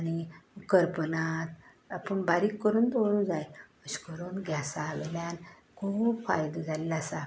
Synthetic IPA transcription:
añikəɾpənat̪ | apəɳbaɾiːkːəɾuːnt̪oɽũnd͡zajəɕi̥kəɾuːnɡʱjasaʋɛ̰ljan | kʰuːbfa̰jd̪əd͡zʱalelasa

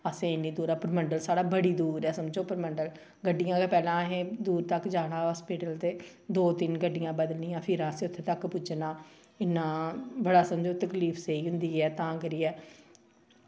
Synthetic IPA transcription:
əsẽːɪniːd̪uːɾɛːpəɾməɳɖəlsaːɽaːbəɽiːd̪uːɾɛːsəmd͡ʒoːpəɾməɳɖəl | ɡəɖɪjãːkapɛːlãːɦẽːd̪uːɾt̪əkd͡ʒaːɽaːɔːspiːʈəlt̪eː | d̪oːt̪ɪnɡəɖːɪjãːbəd̪əlnĩːãːpʰɪɾãːəsẽːʊt̪ʰːeːt̪əkpʊd͡ʒnaː | ɪnːãːbəɽaːsəmd͡ʒoːt̪əkliːpʰseiːɦʊ̃nd̪iːɛːt̪ãːɡəɾiːɛː

